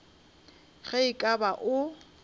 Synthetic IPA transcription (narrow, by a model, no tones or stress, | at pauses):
ɣɛɪkʼabaʔʊ